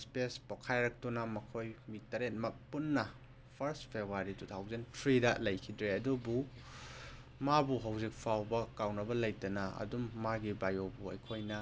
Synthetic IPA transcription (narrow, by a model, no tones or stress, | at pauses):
spespokʰajɾɐk̚tunɐmɐkʰojmitɐɾet̚mɐk̚punːɐ | pʰɐɾstpʰebʱaɾitut̪ʰawzentʰɾidɐlɐjkʰidɾeɐdubu | mabuɦawzik̚pʰawbɐkawnɐbɐlɐjtɐnɐɐ̰dumːaɡibajowbuɐ̰jkʰojnɐ